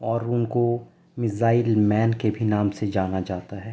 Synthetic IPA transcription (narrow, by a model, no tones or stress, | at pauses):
ɔːɾʊnko | mɪzaːɪlmɛːnkebʱinaːmsed͡ʒaːnad͡ʒaːt̪aɦɛː